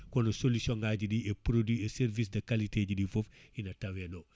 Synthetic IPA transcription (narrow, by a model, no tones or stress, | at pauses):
konosolusioŋɡaːɟidiepɾodieseɾvis̬dɐkaliteɟidifofinɐtɐweno